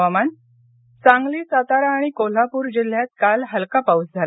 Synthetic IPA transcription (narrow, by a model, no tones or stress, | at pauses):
aman | t͡sãŋɡliːsat̪aɾaːɽ̃ikol̤apuːɾd͡ʑil̤jat̪̚kalɦəlkapaut͡sd͡zʱal